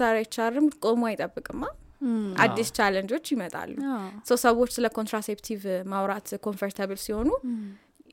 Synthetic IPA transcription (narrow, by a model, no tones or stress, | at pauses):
aɾajt͡ʃːarːɨmkʼo̞muajt̪ʼəbːɨkʼɨmːaʔa̰d̪ːist͡ʃʰalənd͡ʒo̞t͡ʃːjɪmət̪ʼa̰lːuhsəwsəβot͡ʃːsɨləkʰo̞nt̪ʰɾasept̪ʰivmawɾat̪kʰo̞nfəɾt̪ʰaβɨlsiho̞nu